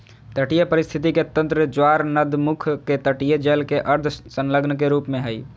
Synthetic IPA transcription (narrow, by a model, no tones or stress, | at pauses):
t̪əʈijəpəɾist̪ʰit̪iket̪ə̃nt̪ɾəd͡ʒwaɾnəd̪mukʰket̪əʈijəd͡ʒelkeʔəɾd̪ʰʱsənləɡnkeɾuːpmẽɦəi